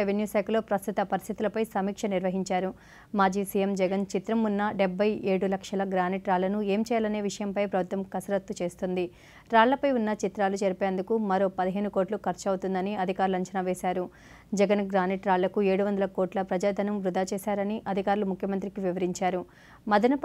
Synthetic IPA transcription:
ʋenjuːsɛːklo̞ːpɾɐst̪ut̪ɐpɐɾist̪ʰit̪ulɐpɐjsɐmiːkʂɐniɾʋɐɦiɲt͡ʃaːɾu | maːd͡ʒiːsijemd͡ʒɛɡɐnt͡ʃit̪ɾɐmunːɐɖebʱːɐje̞ːɽulɐkʂɐlɐɡɾaːniʈɾaːɭːɐnue̞ːmt͡ʃɛːjalɐne̞ːʋiʂɐjɐmpɐjpɾɐbʱut̪ʋɐmkɐsɐɾɐt̪ːut͡ʃe̞ːst̪und̪i | ɾaːɭlɐpɐjunːɐt͡ʃit̪ɾaːlut͡ʃeɾipeːnd̪ukumɐɾo̞ːpɐd̪iɦe̞ːnuko̞ːʈlukʰɐɾt͡ʃɐwut̪und̪ɐniɐd̪ʱikaːɾulɐɲt͡ʃɐnaʋeːsaːɾu | d͡ʒɛɡɐnɡɾaːniʈɾaːɭːɐkue̞ːɽuʋɐnd̪ɐlɐkoːʈlɐpɾɐd͡ʒaːd̪ʱɐnɐmʋɾud̪aːt͡ʃeːsaːɾɐniʔɐd̪ʱikaːɾulumukʰjɐmɐnt̪ɾikiʋiʋɐɾiɲt͡ʃaːɾu | mɐd̪ɐnɐ

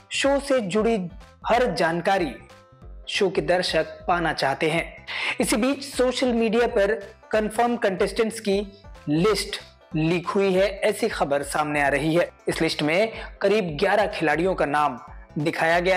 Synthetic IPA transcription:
ʃoːsed͡ʒʊɽihɐɾd͡ʒaːnkaːɾi | ʃoːked̪ɐɾʃək̚paːnat͡ʃaːɦt̪eɦɛ̃ːɪsibiːt͡ʃsoːʃəlmiːɖijapɐɾkɐnfəɾmkɐ̃ɳʈɛsʈə̃ɳʈskilɪsʈ | liːkʰɦʊiɦɛɛːsixɐbəɾsaːmneaːɾɐɦiɦɛːɪslɪsʈmẽkɐɾiːbɡjaːɾakʰɪlaːɽijõkanaːm | d̪ɪkʰaːjaɡɐja

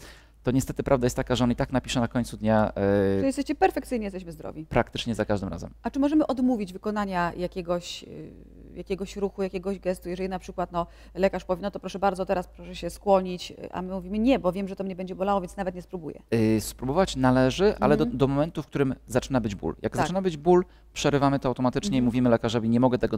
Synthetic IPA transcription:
t̪ɔɲɛst̪ɛt̪ɘpɾʔavd̪ajɛst̪t̪ːakaʐɛɔnit̪aknapʲi̥ʂɛnakɔɲt̪sud̪ɲaɔjɛst̪ɛɕt͡ɕɛpɛɾfɛkt̪sɘjɲɛjɛst̪ɛɕmɘzd̪ɾɔ̰vʲipɾakt̪ɘt͡ʂɲɛzakaʐd̪ɘmɾa̰zɛ̰mat͡ʂɘmɔʐɛmɘʔɔd̪muvʲid͡ʑvɘkɔnaɲajakʲɛɡɔɕ | jakʲɛɡɔɕɾuxujakʲɛɡɔʑɡɛst̪ujɛʐɛlʲinapʂɘkwat̪nɔ | lɛkaʂpɔvʲjɛnɔt̪ɔpɾɔʂɛbaɾd̪zɔt̪ɛɾaspɾɔʂɛɕɛskwɔɲit͡ɕʔa̰mɘmuvʲimɘɲɛbɔvʲjɛmʐɛt̪ɔmɲɛbɛɲd͡ʑɛbɔlawɔvʲjnsnavɛt̪ɲɛspɾubujɛ̰spɾubɔvat͡ɕnalɛʐɘʔa̰lɛd̪ɔmɔmɛnt̪ufkt̪uɾɘmzat͡ʂɘnabɘd͡ʑbṵljʔa̰ɡzat͡ʂɘnabɘd͡ʑbul | pʂɛɾɘvamɘt̪ɔawt̪ɔmat̪ɘt͡ʂɲɛimuvʲimɘlɛkaʐɔvʲiɲɛmɔɡɛt̪ɛɡɔ

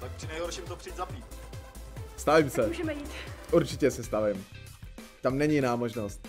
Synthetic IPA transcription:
t̪ak̚pr̥ɪnɛjɦoɾʃɪmt̪opr̥iiːt̪zapiːt̪̚ | st̪avɪmsɛuːʒɛmɛjiːt̪ʔuɾt͡ʃɪcɛsɛst̪avɪm | t̪amnɛɲijɪnaːmoʒnost̪̚

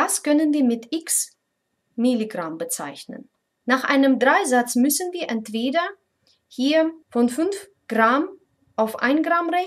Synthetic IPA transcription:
askʰœnənviːɐmɪtʔɪks | miliɡʁambət͡sa̰ɪçnə̰nː | aːχʔa̰ɪnəmdʁaɪzat͡smʏsn̩viːɐʔɛntv̥eːdɐ | hiːɐfɔnfʏnf | ɡ̥ʁam | ʔaʊfʔa̰ɪnɡʁamʁɛ

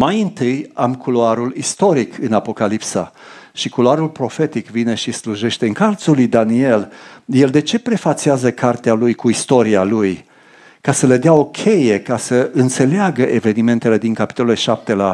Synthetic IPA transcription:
majɨnt̪ɨjamkʰuloaɾulist̪o̞ɾikʰɨnapo̞kalipsa̰ʃikuloaɾulpɾo̞fe̞t̪ikvine̞ʃisluʒe̞ʃt̪eɨŋkalt̪sulujd̪anie̞lje̞ld̪e̞t͡ʃe̞pɾe̞fat̪siazəkʰart̪ealujkuist̪o̞ɾialuj | kasəled̪eao̞kʲʰe̞je̞kasəɨnt̪se̞leaɡəʔe̞ve̞nime̞nt̪e̞le̞d̪iŋkapi̥t̪o̞loleʃap̚t̪e̞la

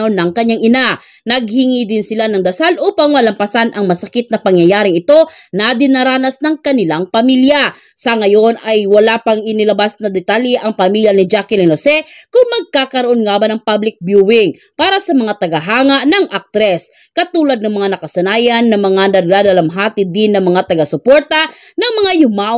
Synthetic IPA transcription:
onɐŋkɐɲːaŋʔɪna | nɐɡ̚hiŋid̪ɪnsɪlanɐŋd̪ɐsalʔupaŋmɐlɐmpɐsanʔɐŋmɐsɐkɪt̪̚nɐpɐŋjɐjaːɾɪŋɪt̪o̞nɐd̪ɪnaɾaːnɐsnɐŋkɐnɪlaŋpɐmilja | sɐŋɐjo̞najwɐlapɐŋɪnɪlɐbasnɐd̪ɛt̪aljɛʔɐŋpɐmiljanɪd͡ʒakɪlɪnosɛkʊŋmɐɡ̚kaːkɐɾoʔo̞nŋaːbɐnɐŋpablɪk̚bjuwɪŋ | paːɾɐsɐmɐŋat̪ɐɡɐɦaːŋaʔnɐŋʔak̚t̪ɾɛs | kɐt̪uːlɐd̪̚nɐŋmɐŋanɐkɐsɐnaːjɐnːɐmɐŋanɐd̪alɐlɐmɦaːt̪ɪd̪ɪnːɐŋmɐŋat̪ɐɡɐsʊpoɾt̪ɐnɐŋmɐŋajʊmaʔ

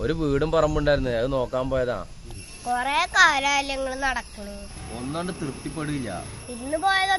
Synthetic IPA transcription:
oɾuʋiːɽumpɐrɐmːuɳɖaːjɾunːɐðɐðɨno̞ːkːaːmpo̞ːjɐða̰ː | koreːkaːlaːljɐŋːɐɭnɐɽɐkːɐɳuonːaːɳɖɨt̪rɨpt̪ːipːeɽuɣilːɐ̰ | inːupo̞ːjɐðɐ

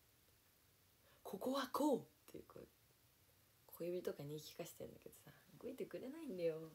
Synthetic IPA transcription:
kʰo̞ko̞βakʰoːt̪ːḛjɯ̟kʰo̰ | kʰo̞ibʲit̪o̞kaɲ̟ikʲi̥kaɕi̥t̪ḛ̃nd̪ake̞d̪̥o̞̥saɡoit̪e̞kɯ̟ɾe̞naĩnd̪ajo

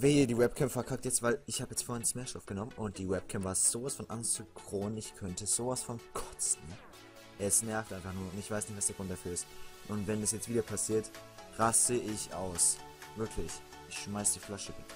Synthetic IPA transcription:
veːdiːwɛp̚kʰɛmpfɛɐkʰak̚tjɛt͡stv̥aɪlɪçhaːbəjɛt͡stfoːhɛɐnsmeːɐʃtɔfɡ̥ənɔmənʊnt̚d̥iːwɛp̚kʰɛmpvaːɐz̥oːvasfɔnʔaŋstt͡sukʁ̥oːənɪçkʰœntəz̥oːvasfɔnkʰɔ̥t͡sn̩ | ʔɛsnɛɐftʔaɪnfaχnuːɐʊntɪçv̥aɪsnɪçtv̥asd̥eːɐɡ̥ʁʊnt̚d̥afyːɐɪstʔʊntvɛndasjɛt͡stv̥iːdɐpʰasiːɐtʁasəʔɪçʔa̰ʊs | vɪɐkʰlɪç | ʔɪçʃmaɪsd̥iːflaʃəɡɪ

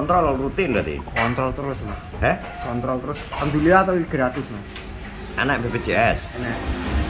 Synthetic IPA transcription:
ɔnt̪ɾɔlɔrut̪ind̪at̪ḭkɔnt̪ɾɔlt̪əɾʊsmashɛ | kɔnt̪ɾɔlt̪əɾʊskand̪uliat̪awiɡ̥ɾat̪ʊsmas | a̰nɛʔbeped͡ʒeɛsanɛʔ

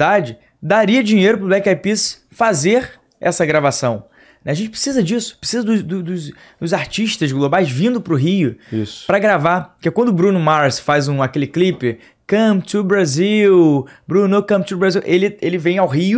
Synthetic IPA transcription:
d̪ad͡ʒɪ | d̪aɾiɐd͡ʒiɲejɾʊpɾʊblɛkapis | fazeɾ | ɛ̰sɐɡɾavasɐ̃w̃ | nɛaʒẽt͡ʃɪpɾe̥sizɐd͡ʒisʊ̥pɾesizɐd̪ʊzd̪ʊd̪ʊz | d̪ʊzaɾt͡ʃiʃt̪ɐzɡlˠobajzvĩnd̪ʊpɾʊɦiʊḭspɾɐɡɾavapʊkɛkwɐ̃nd̪ʊbɾũnʊmaɾsfajzũakelɪklipɪ | kɐ̃pt͡ʃubɾaziwbɾũnokɐ̃p̚t͡ʃ̪ubɾaziwʔelɪelɪvẽj̃awɦiʊ

